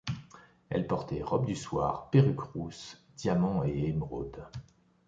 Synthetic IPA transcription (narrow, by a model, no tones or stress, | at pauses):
ɛ̰lpɔʁt̪ɛʁɔbd̪yswaʁpeʁykʁus | d̪̥jamɑ̃eɛmʁod̪